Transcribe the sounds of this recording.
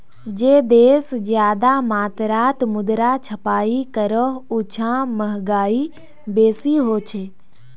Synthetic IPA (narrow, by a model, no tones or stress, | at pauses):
d͡ʒeːd̪eːszjaːd̪amaːt̪ɾaːt̪mʊd̪ɾat͡ʃʰɐpaːikəɾəɦʊt͡ʃʰãməɦɡaːi | beːsiɦoːt͡ʃʰeː